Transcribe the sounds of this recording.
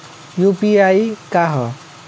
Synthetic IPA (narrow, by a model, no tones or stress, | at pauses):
jupiajkaɦʌ